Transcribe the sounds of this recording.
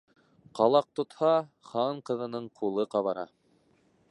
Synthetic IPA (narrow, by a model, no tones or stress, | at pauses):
qɑlˠɑq̚t̪ŏt̪hɑχɑɴqɤ̆ðɤ̆nɤɴqʰulˠɤqɑβɑɾɑ̰